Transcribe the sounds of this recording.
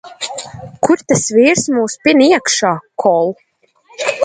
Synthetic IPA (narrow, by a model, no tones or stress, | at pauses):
kʰuɾt̪ɛsviːɾsmuːspʲiniɛkʃaːkʰɔlˠ